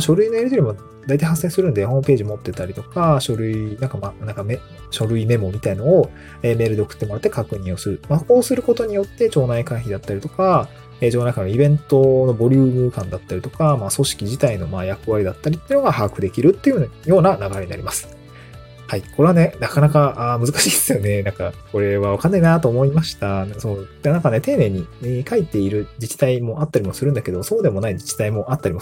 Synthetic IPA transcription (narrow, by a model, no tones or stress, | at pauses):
ɕo̞ɾɯ̟inoeɾit̪oɾʲimo | d̪ait̪aihasːẽ̞ːsɨɾɯ̟̃nd̪eho̞ːmɯ̟pe̞ːʑimo̞t̪ːe̞t̪aɾʲit̪o̞kaɕo̞ɾɯ̟inãŋkamanãŋkame | ɕo̞ɾɯ̟ime̞mo̞mʲit̪ainao | eːme̞ːɾɯd̪e̞okɯ̥t̪ːemoɾat̪ːe̞kakɯ̟ɲ̟ĩɰ̃o̞sɨɾɯ̟mako̞ːsɨɾɯ̟ko̞t̪o̞ɲ̟ijo̞t̪ːe̞t͡ɕo̞ːnaikãɰ̃çid̪at̪ːaɾʲit̪o̞ka | eːd͡ʑonakanoibẽ̞nt̪o̞no̞bo̞ɾʲɨːmɯ̟kãnd̪at̪ːaɾit̪o̞kamaːso̞ɕi̥kʲiʑit̪aino̞maːjakɯ̟βaɾʲid̪at̪ːaɾʲit̪ːeiɯ̟noɡahakɯ̟d̪e̞kʲiɾɯ̟t̪ːe̞iɯjo̞ːnanaɡaɾe̞ɲ̟ina̰ɾʲimasɨ̥ | haiko̞ɾe̞βane̞nakanakaʔaːmɯ̟zɨkaɕiːd̪esɨjo̞ne̞nãŋkako̞ɾe̞βaβakanːeinat̪oːmo̞imaɕi̥t̪asonãŋkane̞t̪eːne̞ːɲ̟ikait̪e̞iɾɯ̟d͡ʑit͡ɕi̥t̪aimo̞ʔat̪ːaɾʲimo̞sɨɾɯ̟̃nd̪ake̞d̪o̞so̞ːd̪e̞mo̞naid͡ʑit͡ɕi̥t̪aimo̞ʔat̪ːaɾʲimo